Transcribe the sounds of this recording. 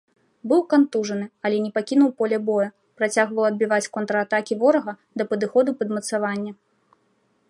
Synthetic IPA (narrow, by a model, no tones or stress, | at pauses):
bɨwkant̪uʐɐnɨɐlʲɛnʲɛpakʲinuwpɔlʲɛbɔjɐ | pɾat͡sʲaɣvɐwɐd̪̚bʲivat͡sʲkɔnt̪ɾɐːt̪akʲivɔɾɐɣɐ | d̪ɐpɐd̪ɨxɔd̪upɐd̪mɐt̪savanʲːɐ